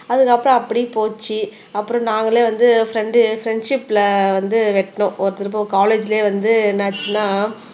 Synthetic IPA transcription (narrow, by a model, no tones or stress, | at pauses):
ɐðɯkːɐpːɯɾɔ̃ɐpːɐɽipoːt͡ʃːi | ɐpːɯɾɔ̃naːŋɡɐɭeːʋɐnd̪ɯfɾɛɳɖɯfɾɛɳɖʂɪpːlɐʋɐnd̪ɯʋɛʈːnʊ̃ʔɔɾɯt̪ɪɾɯp̬ːɐkaːleːd͡ʒɪleːʋɐnd̪ɯnaːt͡ʃːɯnːaː